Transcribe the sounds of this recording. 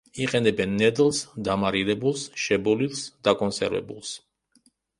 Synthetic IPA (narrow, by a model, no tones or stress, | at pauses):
iqʼɛnɛbɛnːɛd̪lˠsd̪amaɾiɾɛbulˠsʃɛbɔlilˠsd̪̥akʼɔnsɛɾvɛ̰bulˠs